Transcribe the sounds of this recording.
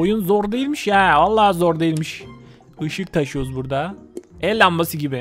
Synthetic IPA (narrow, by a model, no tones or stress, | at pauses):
ojunzoɾd̪e̞jilʲmiʃjɛːvalˠːaːhzoɾd̪e̞jilʲmiʃ | ɯʃɯk̚t̪ʰaʃɯjo̞ɾuzbuɾd̪aɛlʲːanmasɯɟibɪ